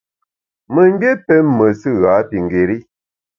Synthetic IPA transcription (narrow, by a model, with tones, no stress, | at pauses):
mə˨m˦bjɛ˦pɛ˦mːə˨sɨ˦ɣa˨˦pi˨ŋ˨ɡe˨ɾi˦